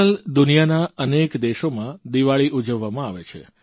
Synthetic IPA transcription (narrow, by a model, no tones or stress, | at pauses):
əld̪ʊnijanaənekd̪eʃomãd̪iʋaɭiʔud͡ʒəʋːamãaʋet͡ʃʰḛ